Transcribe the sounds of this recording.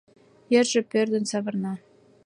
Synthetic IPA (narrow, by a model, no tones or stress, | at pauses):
jĕrʒĕpørd̪ə̆nsɑβɤ̆rnɑ